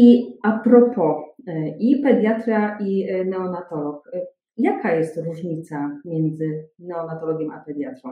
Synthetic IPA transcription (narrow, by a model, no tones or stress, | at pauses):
iapɾɔpʰɔʔipɛd̪jat̪ɾaʔinɛɔnat̪ɔlɔk | jakajɛst̪ɾuʐɲit̪samʲjɛnd̪zɘnɛɔnat̪ɔlɔɡʲjɛma̰pɛd̪jat̪ɾɔ̃w̃